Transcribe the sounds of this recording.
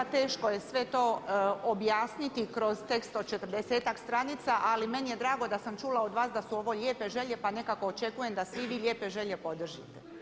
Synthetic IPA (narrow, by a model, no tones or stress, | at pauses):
t̪e̞ːʃko̞je̞sʋe̞t̪o̞objaːsnit̪ikɾo̞zt̪e̞kst̪od̪̚t͡ʃe̞t̪r̩d̪eseːt̪akst̪ɾanit̪saʔalime̞nije̞d̪ɾaːɡo̞d̪asamt͡ʃuːlao̞d̪ʋaːsd̪asuo̞ʋo̞ʎʲeːpe̞ʒe̞ʎe̞pane̞kako̞ːt͡ʃe̞kuje̞md̪asʋiʋiːʎʲe̞ːpe̞ʒe̞ʎe̞po̞d̪r̩ʒit̪e̥